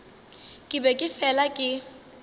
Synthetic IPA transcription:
kʼɪbɛkʼɪfɛlakʼɪ

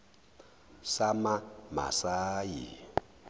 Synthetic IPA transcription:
samama̰saːjḭ

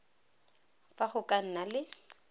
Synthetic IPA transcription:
faχʊkʼan̩nalɪ

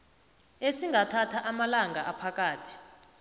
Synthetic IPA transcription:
esiŋɡʱatʰatʰaʔamalaŋɡʱaʔapʰak̬ʼaːtʰi̥

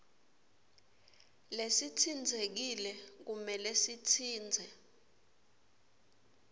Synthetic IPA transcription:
lesitʰind͡zʱek̬ilɛk̬umɛlesitʰiːnd͡zʱɛ

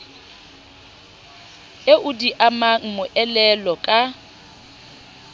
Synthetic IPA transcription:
eʔʊdiʔamaŋ̩mʊʔɛlɛlɔkʼa

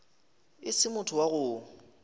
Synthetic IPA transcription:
ɪsɪmʊtʰʊwaɣʊ

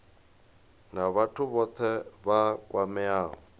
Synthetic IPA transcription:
naβatʰʊβɔt̪ʰɛβakʼwamɛaːɦɔ

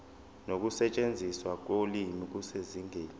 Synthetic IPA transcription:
nok̬usɛt͡ʃʼend͡zʱiswak̬olimik̬useziŋʱeːn

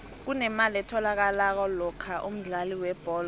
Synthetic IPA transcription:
k̬unɛmalɛtʰɔlak̬alak̬ɔlɔkʰaʔum̩ɮaliwɛb̥ʱɔːl

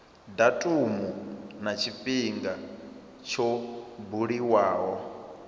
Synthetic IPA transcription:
datʼumunat͡ʃʰipʼiŋɡa | t͡ʃʰɔbuɺiwaːwɔ

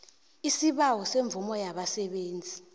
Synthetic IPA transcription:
isiɓawɔseɱb̪vumɔjaɓasɛɓeːnd͡zʱi

